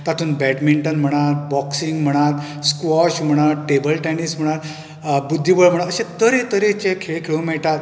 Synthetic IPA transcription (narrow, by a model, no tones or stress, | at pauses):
t̪aʈ̪ʰuːnbɛʈmiɳʈənm̤əɽ̃aɾbɔksiŋɡm̤əɽ̃at̪ | skʋɔɕm̤əɽ̃aɾʈebəlʈɛnism̤əɽ̃aɾ | bud̪ʱːibəɭm̤əɽaəɕẽt̪əɾet̪əɾet͡ɕẽkʰeɭkʰeɭũmɛɭʈat̪̚